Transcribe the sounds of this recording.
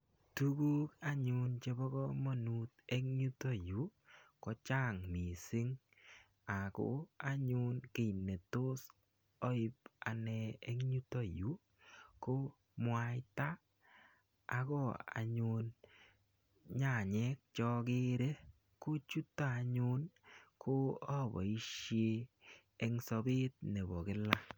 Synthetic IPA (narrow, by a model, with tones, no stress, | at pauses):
tu˦ku˦ka˦ɲʊ˨nt͡ʃe˦bɔ˦kɔ˦mɔ˦nu˦t̚e˦kɲu˦tɔ˦˨ju˨˦kɔ˦t͡ʃa˦ŋmi˨sɪ˦ŋ | a˨kʊ̰˦a˦ɲʊ˦nke˨i˨nːe˨to˦s | ɔ˦ɪ˦pa̰˨nɛ˧e˦kɲu˦to˦ju˦ | kʊ˦ | mwa˦jta˦ | kɔ˦a̰˨ɲʊ˧n | ɲa˨ɲɛ˦k̚t͡ʃɔ˦˧kɪ˦ɾe˦ | kʊ˦t͡ʃu˦tːa˦a˧ɲʊ˦nkʰʊ˦ɔ˦˨bɔ̰˨i˦ʃjeː˦ | ŋsɔ˧bɪ˦t̚ne˨bɔ˨kɪ˦la˦